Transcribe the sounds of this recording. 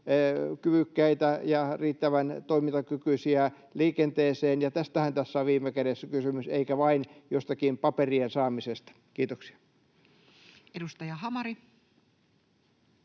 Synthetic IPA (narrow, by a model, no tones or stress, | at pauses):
kyʋykːæit̪æjɑriːt̪ːæʋænt̪oimint̪ɑkykyisiæ | liːkent̪eːseːnjɑt̪æst̪æhænt̪æsːæoʋʋiːmːˑekæɾesːækysymyseikæʋɑinjost̪ɑkimpɑperiensɑːmisest̪ɑ̥kiːt̪oksi̥ɑ̥ | edust̪ɑjɑhɑmɑɾi